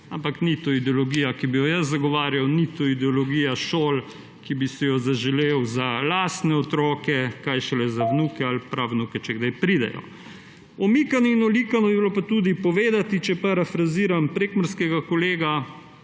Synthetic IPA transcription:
ampaknit̪oid̪ɛolɔɡiːjakibijɔjaszaɡɔʋaːɾjawnit̪oid̪ɛɔlɔɡiːjaʃoːl | kibisɛjɔzaʒɛlewzalaːst̪nɛɔt̪ɾɔːkɛkajʃɛlɛzaʋnukɛalpɾawnukɛt͡ʃɛɡd̪ajpɾid̪ɛ̰jɔ̰ | ɔmikanɔinɔlikanɔbibilopat̪uːd̪ipɔʋeːd̪at̪it͡ʃɛpaɾafɾaziːɾampɾeːkmɔɾskɛɡakoleːɡa

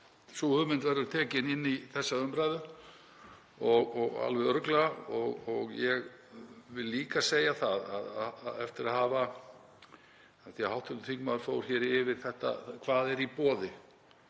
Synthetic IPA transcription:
suhʏmɪnt̪vajɾðʏt̪ʰɛːcɪnɪnːiθɛsːaœmpɾaːjðʏ | ɔɣɔɣa̰lvɛðœɾklɔɣɔɣjɛɣvɪlːiːkaseːjaθaða̰ðɛft̪ɪɾaðhaːva | ɛfθiahawht̪ʏnt̪ʰiŋkmaðɾ̥foːwɾ̥çɛːɾɪvɪɾ̥θɛht̪a̰kʰvaːðɛɾipɔːðɪ

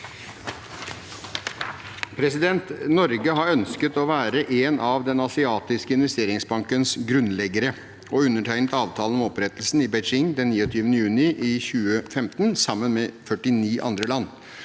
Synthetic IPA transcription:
pʰɾɛsɪd̪ɛnt̪nɔɾɡəɦɑɾœnskət̪ɔʋæːɾəʔenʔɑʋd̪ɛnɑsɪɑːt̪ɪskəɪnʋɛst̪eːɾɪŋsbɑŋkənsɡɾʉnlɛɡəɾə | ɔʉnːəʈʰæɪnət̪ɑːʋt̪ʰɑːlənɔɔmɔpɾɛt̪l̩sn̩ɪbɛt͡ʃɪŋd̪ɛnːiːɔt̪ʰyːʋənəjʉːnɪʔɪçʉːəfɛmt̪nsɑmːənmɛfœʈɪniːʔɑ̰nd̪ɾəlɑnː

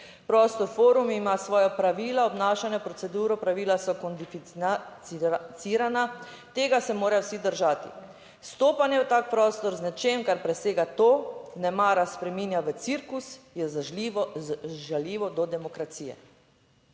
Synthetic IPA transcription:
pɾɔːst̪ɔɾfoːɾumimasʋɔːjapɾaʋiːlaɔbnaːʃanjɔpɾɔt̪sɛd̪uːɾɔpɾaʋiːlasɔkɔnd̪ifi | isiːɾana | t̪eːɡasɛmoːɾawsid̪əɾʒaːt̪ḭ | st̪oːpanjɛwt̪aːk̚pɾɔːst̪ɔɾznɛt͡ʃeːmkaɾpɾɛseːɡat̪oːnɛmaːɾaspɾɛmiːnjaʋət̪siɾkusjɛ | ʒaljiːʋɔd̪ɔd̪ɛmɔkɾat̪siːjɛ̰

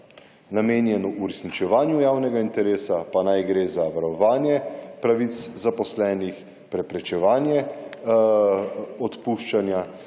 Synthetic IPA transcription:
nameːnjɛnuʔuɾɛsnit͡ʃɛʋaːnjujaːwnɛɡaint̪ɛɾeːsapanajɡɾeːzaʋaɾɔʋaːnjɛpɾaʋit̪szapɔslɛːnix | pɾɛpɾɛt͡ʃɛʋaːnjɛ | ɔt̪puːʃt͡ʃanja

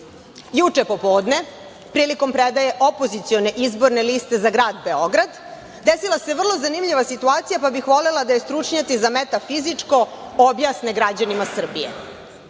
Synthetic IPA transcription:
jut͡ʂepo̞po̞ːd̪ne̞ | pɾiːliko̞mpɾed̪ajeʔo̞po̞zit̪sijo̞neʔizbo̞ɾne̞list̪e̞zaɡɾaːd̪be̞o̞ɡɾad̪ | d̪esilaseʋr̩lˠo̞zanimʎʲiʋasit̪uaːt̪sijapabixʋo̞lelad̪ajest̪ɾut͡ʂɲat̪izamet̪afizit͡ʂko̞objaːsneɡɾad͡ʑanimasr̩bijḛ

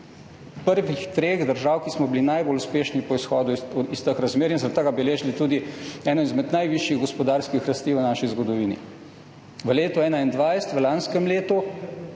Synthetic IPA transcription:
pəɾʋixt̪ɾeːɣd̪əɾʒaːwkismɔbilinajboluspeːʃnipɔisxɔːd̪uist̪əkɾazmeːɾinzɾat̪əɡabɛleːʒilit̪uːd̪iɛːnɔizmɛd̪najʋiʃjiɣɡɔspɔd̪aːɾskixɾɐst̪iːʋənaʃizɡɔd̪ɔʋiːnḭ | ʋəleːt̪ɔɛːnaind̪ʋajɛst̪ʋəlanskɛmleːt̪u

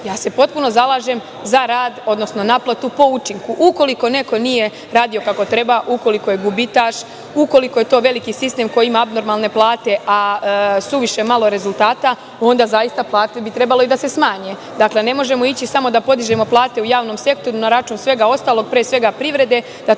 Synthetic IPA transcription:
jaːse̞po̞t̪̚puno̞zalˠaːʒe̞m | zaɾaːd̪o̞d̪no̞sno̞naplˠat̪upo̞ut͡ʃiŋkuʔuko̞liko̞ne̞ko̞nije̞ | ɾaːd̪ijo̞kako̞t̪ɾe̞baʔuko̞liko̞jeɡubit̪aʃ | uko̞liko̞je̞t̪o̞ːʋe̞likisist̪e̞mko̞jiimaabno̞ɾmalne̞plˠaːt̪e̞ʔasuʋiʃe̞malˠoɾe̞zulˠt̪aːt̪a | o̞nd̪azajist̪aplˠaːt̪e̞bit̪ɾe̞balo̞id̪ase̞smaːɲe | d̪akle̞ne̞mo̞ʒe̞moit͡ɕisamo̞d̪apo̞d̪iʒe̞mo̞plˠaːt̪e̞ujaːʋno̞mse̞k̚t̪o̞ɾunaɾat͡ʃuːnsʋe̞ɡao̞st̪aːlˠo̞ɡ̚pɾeːsʋe̞ɡapɾiʋɾe̞d̪e̞ | d̪̥a

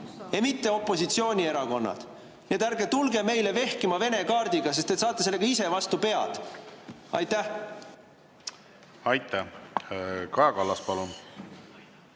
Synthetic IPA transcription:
emit̪ːe̞o̞pːˑo̞sit̪sio̞ːnʲie̞ɾɑko̞nːɑ̰d̪̥ | nied̪æɾɡet̪ulɡe̞me̞jle̞ve̞hkimɑve̞ne̞kɑːrd̪̥iɡ̥ɑs̬est̪et̪sɑːt̪ːˑeselːe̞ɡ̥ɑise̞vɑst̪upe̞ɑ̰d̪̥ | ɑ̰jt̪ːæh | ɑjt̪ːˑæ | kɑjɑkɑlːɑspɑlun

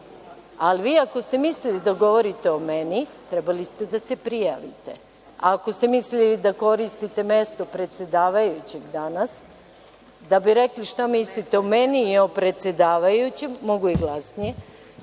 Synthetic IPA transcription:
aliʋiːako̞st̪e̞mislilid̪aɡo̞ʋo̞ɾit̪e̞o̞menit̪ɾɛbalist̪e̞d̪ase̞pɾijaʋḭt̪e̞̰ | ako̞st̪e̞mislilid̪ako̞ɾist̪it̪e̞me̞st̪o̞pɾe̞t̪se̞d̪aːʋajut͡ɕe̞ɡd̪anas | d̪abiɾekliʃt̪amislit̪eomeniːo̞pɾe̞t̪se̞d̪aːʋajut͡ɕemːo̞ɡuiɡlˠasnije

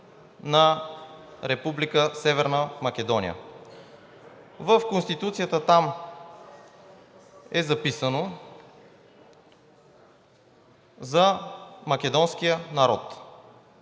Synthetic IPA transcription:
nɐ | ɾɛpublikəsɛvɛɾnəmɐk̟ʲɛd̪ɔnḭjə̰ | vəfkonst̪it̪ut̪siət̪ət̪am | ɛzɐpisəno | zɐmɐk̟ʲɛd̪ɔnsk̟ijənɐɾɔt̪

